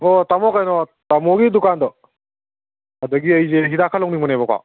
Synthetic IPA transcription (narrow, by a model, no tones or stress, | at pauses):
otamɔkajnɔtamɔɡidukandɔ | ɐdɔɡiɐjzeɦidakʰalowŋniŋmɔnebɔkwa̰